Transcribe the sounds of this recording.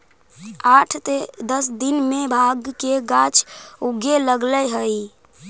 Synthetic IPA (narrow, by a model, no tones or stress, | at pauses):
aʈʰt̪ed̪əsd̪inmebʱaɡkeɡat͡ʃʰuɡeləɡləɦəj